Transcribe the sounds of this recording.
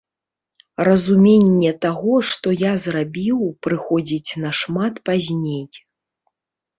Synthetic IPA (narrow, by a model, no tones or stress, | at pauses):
rɐzumʲenʲːɛt̪aɣɔʂt̪ɔjazrabʲiwpɾɨxɔd͡zʲit͡sʲnɐʂmat̪pazʲnʲej